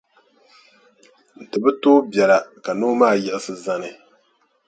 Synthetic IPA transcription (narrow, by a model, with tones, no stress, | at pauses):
n̩˨tɨ˨bɨ˦toː˦bjɛ˨la˨ka˨noː˦maː˦˨jɛ˦˨ʔɪ˦sɨ˦za˦nɨ˨